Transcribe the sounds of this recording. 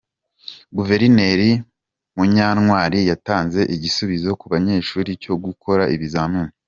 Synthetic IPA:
ɡuve̞ɾine̞ɾi | muɲaːnŋwaːɾijataːnze̞ʔiɟisuβizo̞kuβaɲe̞ːʃuːɾico̞ɡukʰo̞ɾaʔiβizaːnuːni

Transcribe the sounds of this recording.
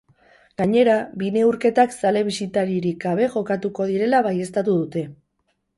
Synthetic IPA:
ɡaɲe̞ɾabine̞uɾke̞t̪aksale̞β̞isit̪aɾiɾikɡaβ̞e̞ʝo̞kat̪uko̞ð̞iɾe̞laβaje̞st̪at̪uðut̪e̞

